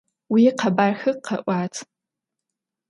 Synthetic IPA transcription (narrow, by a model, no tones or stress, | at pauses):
wiqʰabarxɨqʰːaʔʷat͡sʰʼ